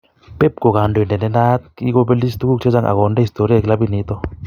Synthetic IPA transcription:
pe˦p̚ko˨ka˨ndo˨ndɛ˨nde˦na˦t̪̚ki˦ko˧be˦li˦st̪u˦ku˦k̚t͡ʃʰe˦d͡ʒa˦ŋʔa̰˨ɣɔ˨nde˦hi˨st̪o˨ɾi˦a˦˨kla˦bi˦˨ni˨˦t̪ɔ˦

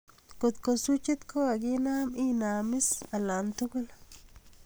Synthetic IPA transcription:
ko˨t̪ko˨su˦t͡ʃi˦t̪kʰo˦a˨ɡi˦naː˦mi˦naː˨mɪ˦sa˨la˨nt̪u˦ɡʊ˦la

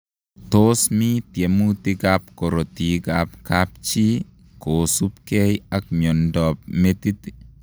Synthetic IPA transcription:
t̪osmi˦t̪je˨mu˦t̪i˦ɡap̚kɔ˨ɾo˨t̪i˨ɡap̚kap̚t͡ʃi˦ | ko˨su˦p̚kɛ˦jakmjɔ˨ndɔ˨p̚met̪i˦t̪i̥

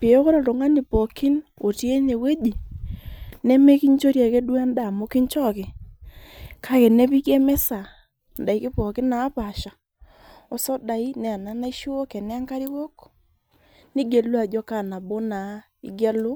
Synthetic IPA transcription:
pe˨ɔ˦kɔ˦ɾa˨to˨ŋa˦ni˨pɔ˨kɪ˦no˨tje˦ne˨we˦di˨ | nɛ˦me˦ki˦ɲt͡ʃo˦ɾja˨ke˦du˦a˦nda˨mo˦ki˦ɲt͡ʃɔ˦kɪ˨ | kʰa˦kɛ˨ne˦pi˦kɛ˦mɛ˦sa˨ | nda˨i˨kɪ˦pɔ˨kɪ˦na˨˦pa˨ʃa˨ | ɔ˨sɔ˦da˨i˦nɛ˨a˨na˦na˦i˦ʃo˦o˦kɛ˨nɛ˦a˦ŋka˦ɾi˦wo˦k | nɪ˦ɡe˨lu˦a˨d͡ʒɔ˦ka˦˨na˨bo˦na˨˦ | ḭ˨ɡja˦lʊ˦

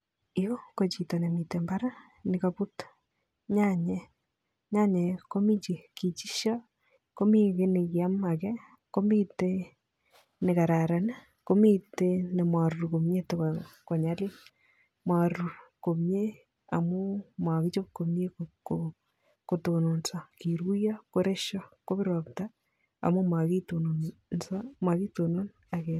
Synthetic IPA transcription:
ɪo˦ko˨t͡ʃi˨to˨ne˨mi˨te˨mba˦ɾa˦ | nɪ˨kapu˦t | ɲa˦ɲɛ˨ | ɲa˦ɲɛ˨ko˦mi˦t͡ʃi˨ki˨t͡ʃi˦ʃjɔ˦ | ko˦mi˦kɪ˦nɪ˨kja˦ma˨kɛ˦ | ko˦mi˦te˦ | nɪ˨ka˨ɾa˨ɾa˨n | ko˦mi˦te˦ne˨mwa˨ɾu˨ɾko˨mɲe˦tokko˨ɲa˦li˦n | mwa˨ɾu˨ko˨mɲe˦ | a̰˨mʊ˦mwa˨ki˦t͡ʃo˦p̚ko˨mɲe˦ko | ko˨to˨no˨nsa˨ki˨ɾu˦ja˦ko˦ɾe˦ʃɔ˦ko˦bɪ˦ɾɔ˨p̚ta˦ | a̰˨mʊ˦ma˨ki˦to˨nonnsa˦mwa˨ki˦to˨no˦n | a˨ke˨

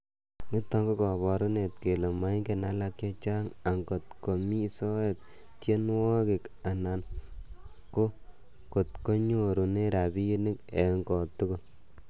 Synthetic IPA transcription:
ŋi˦tːɔ˨ŋɡo˦kɔ˨βɔ˨ɾo˦ne˨tke˨le˨ma˨˦ŋɡe˨na˦la˧kje˦t͡ʃa˦ŋa˨ŋko˨t̚ko˨mi˦sɔ˦e˨t̚ | tje˦nwɔ˦kɪ˨ka˨na˨n | ko˦ | ko˨t̚ko˦ɲo˦ɾu˨ne˦ɾa˨bi˦nɪ˦kɛ˨ŋkɔ˨tʊ˦ko˦

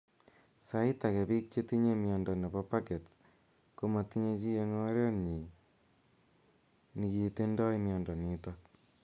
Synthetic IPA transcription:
sa˦ita˨kɛ˨pi˦k̚t͡ʃe˦ti˦ɲe˦mjɔ˨ndɔ˨ne˨bɔ˦pa˦ke˨t | ko˦ma˨ti˦ɲe˧t͡ʃi˦je˦ŋɔ˦ɾjo˦ɲi˨ | ni˨ki˧te˦ndɔ˦imjɔ˨ndɔ˨ni˨twak̚

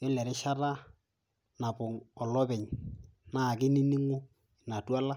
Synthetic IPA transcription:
ɪ˦lɛ˨ɾɪ˦ʃa˦ɾa˦ | na˨pʊ˨ŋɔ˨lɔ˦bɛ˨ɲ | na˦˨kɪ˦ni˦ni˦ŋʊ˦ | ɪ˨na˨twa˦la˦

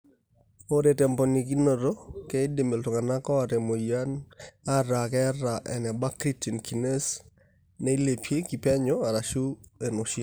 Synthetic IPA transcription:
o˦ɾe˨tɛ˨mpɔ˨ni˨k̬i˦no˨ɾo˦kɛ˦de˨me˨lto˨ŋa˨na˦kɔ˦a˨ɾe˨mo˨ja˦na˦ɾa˨kɛ˦ɾa˨ʔɛ̰˨nɛ˨ba˦kɾi˦ti˨nki˨ne˦s | ne˦i˦le˨pʰje˦ki˨pa˦ɲɔa˨ɾa˨ʃu˦e˨nɔ˨ʃɪ˦

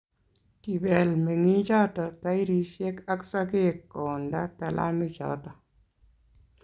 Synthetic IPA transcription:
ti˨bɛ˨lme˨ŋi˦d͡ʒɔ˦tɔ˨ta˦i˦ɾi˦sje˦ka˦ksa˦ɡe˦˨kːɔ˨nda˦ta˨lʔa̰˦nu˦d͡ʒɔ̰˦tɔ˨

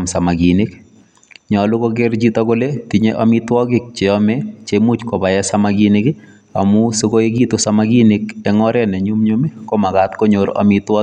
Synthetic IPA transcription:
msa˨maɡi˨ne˦k | ɲɔ˨lʊ˦ko˦ɡe˦ɾd͡ʒi˦tɔ˦ko˦le˦ti˨ɲeʔamitwɔ˦kɪ˦k̚t͡ʃe˨ɔmɛ˦t͡ʃemu˦t͡ʃkɔ˨ba˨jɛ˦samaɡinɪ˦kɪ˦ | a̰˨mʊ˦sokoe˦ɡi˦tosamaɡi˦nɪk̚ɛŋɔ˦ɾɛ˦nɛ˨ɲumɲome˦kɔma˨katko˦ɲoɾa̰mɪtwɔ˦

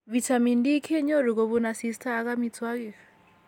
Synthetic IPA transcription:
βi˨tʰa˨mi˨ndi˦kʰɛ˦ɲɔ˦ɾi˨kɔ˨βuna˨si˦stʰaː˦˨ka˦mit͡sʰwa˦kiː˨fɛ̥˨

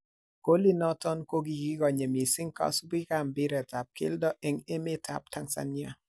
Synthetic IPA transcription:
ko˦li˦nɔ˦tɔ˦nko˦ɡi˨ɡi˦ɡɔ˨ɲe˨mi˨sɪ˦ŋ˦ka̰˦sbi˦ka˨m˨bɪ˦ɾɛ˨ta˨p̚kɪ̰˦ldɔ˦ʔɛ˦ŋe˦me˦tʰa̰˨p̚ta˦ŋsa̰˦nja˦˨

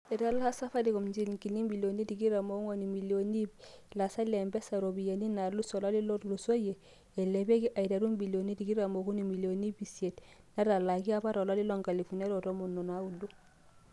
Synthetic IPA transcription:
e˨ɾa˦lha˦sa˦fa˦di˨kɔ˨md͡ʒi˦lŋki˨li˦mbi˨lo˨ni˦di˨ɡi˦ɾa˨mo˦u˦ŋo˨ni˨mi˨lo˨ni˦b | la˨sa˦le˨mbɛ˦sa˨ɾo˨bi˨ja˨ni˦na˨lu˦so˨la˦li˦lɔ˦ɾlu˨so˦je˨ | e˨le˨be˦ɡi˦ʔa˨i˨ɾa˨ɾu˦mbi˨lo˨ni˦di˨ɡi˦ɾa˨mo˨ku˦ni˨mi˨lo˨ni˦bi˨sie˨t | na˦ɾa˨la˨ɡi˦a˦ba˦ɾo˨la˦li˦lo˦˨ŋka˨li˨fu˨ne˦ɾo˨ɾo˦mu˨nːo˨na˦u˨du˦

